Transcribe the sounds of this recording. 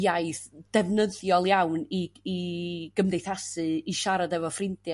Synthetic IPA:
jajθd̥ɛvnəðjɔlˠjawniiɡ̥əmdejθasɨiʃaɾadɛvɔfrɪntj

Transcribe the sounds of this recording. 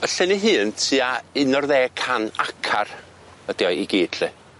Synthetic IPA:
əɬɛniɦɨːntʰiːaɪnɔrðɛːkʰanakʰar | əd̥iɔjiɡiːd̥ɬɨ

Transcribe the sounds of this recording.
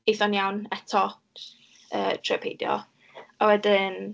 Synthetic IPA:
ejθɔnjawnɛtʰɔ | əːtʰrəpʰḛdjɔ̰ | awɛdɪn

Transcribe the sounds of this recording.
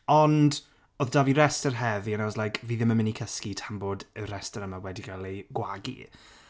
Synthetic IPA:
ɔnd | oðdaːviɾɛstərɦɛðianaɔslˠajkʰviːðɪməmɪnikʰəskitʰamboːdəɾɛstəɾəmawɛdiɡalˠejɡwaɡḭ

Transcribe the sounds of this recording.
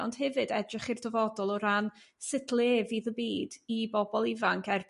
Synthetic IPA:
ɔnd̥hɛvɨdɛdrɪχirdəvɔdɔlˠɔɾan | sɪtʰlˠeːviðəbiːdibɔbɔlˠɪvaŋkʰɛr

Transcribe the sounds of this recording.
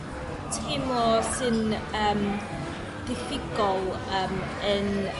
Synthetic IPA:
tʰemɔsɨnəːm | d̥ɪfɪɡɔlˠ | əm | ən

